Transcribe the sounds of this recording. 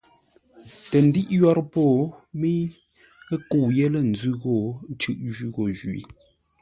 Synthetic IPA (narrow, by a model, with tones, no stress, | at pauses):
tə˨n̩˨di˦ʔjɔ˦ɾpo˦˨mi˦ | ku˨je˦lə˦˨n̩˨d͡zʉ˦ɣo˦˨˦t͡ʃʉ˦˨ʔʒʉ˦ɣo˨ʒɥḭ˨